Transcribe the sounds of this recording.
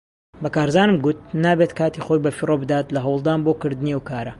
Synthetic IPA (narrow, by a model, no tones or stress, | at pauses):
bɐkaːɾzaːnɨmɡut̪̚naːbet̪kaːt̪ixo̞jbɐfirʔobɨd̪aːt̪lɐɦɐwlˠd̪aːnboːkɨɾd̪ɨniɐwkaːɾɐ